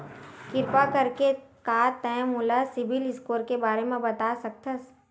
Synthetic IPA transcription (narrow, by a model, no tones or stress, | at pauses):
kɪɾpakɐɾkekaːt̪ɛ̃mʊlasɪbɪlɪskoːɾkebaːɾemẽbɐt̪aːsɐk̚t̪ʰəs